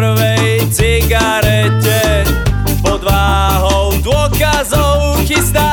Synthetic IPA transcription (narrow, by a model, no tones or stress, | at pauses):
ɾvɛj | t͡sɪɡaɾɛcɛ | pɔd̪vaː | ɦɔwd̪wɔkazɔw | xizd̪a